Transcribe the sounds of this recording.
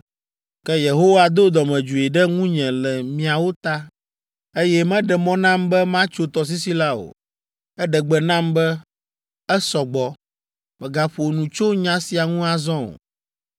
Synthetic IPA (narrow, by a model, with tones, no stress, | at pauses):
kɛ˦je˨ɦo˦wa˨d̪o˦d̪ɔ˨mɛ̃˨d͡ʒu˨i˨ɖɛ˦ŋũ˦ɲɛ̃˨lɛ˨mĩ˨a˨wo˦t̪a˦ | e˦jɛ˦mɛ̃˦ɖɛ˨mɔ̃˦nã˦mbɛ˦mã˦t͡ʃo˦t̪ɔ˨s̬i˦si˦la˦o̰˨ | ɛ˦ɖɛ˨ɡ͡bɛ˨nã˦mbɛ˦ | ɛ˦sɔ˨ɡ͡bɔ˨ | mɛ̃˨ɡa˨ɸo˨nũ˨t͡ʃo˦ɲã˦si˨a˨ŋũ˦a˨zɔ̃˦o̰˨